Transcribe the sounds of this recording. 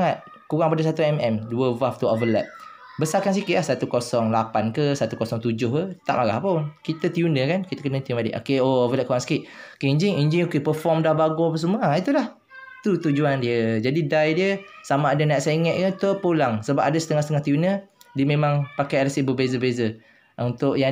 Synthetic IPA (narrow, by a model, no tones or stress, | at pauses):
aŋat̪̚ | kuɣaŋpadəs̬at̪uɛmɛmduəvaft̪uovəlɛ̰p̚ | bəsakans̬ikɪʔ̪ʔlahsat̪ukosɔŋlapankəsat̪ukosɔŋt̪ud͡ʒʊɦət̪a̰ʔmaɣa̰hponkit̪ət̪junəkankit̪əkənət̪ijunadḛʔo̰keoovəlɛʔ̚kuɣaŋsə̥kɪʔ̪̚okeiɲd͡ʒɪŋiɲd͡ʒɪŋokepəfɔmdahbaɡɔp̬əs̬əmuit̪ulah | t̪ut̪ud͡ʒuandiəd͡ʒadidajdiəsamaːdanajʔseŋɛʔ̪̚kət̪oʔpulaŋsəbap̚adəsə̥t̪əŋahsət̪əŋaht̪ijunədiəmẽmãŋpakajalasiʔbəbezəbəbezə | unt̪ʊʔja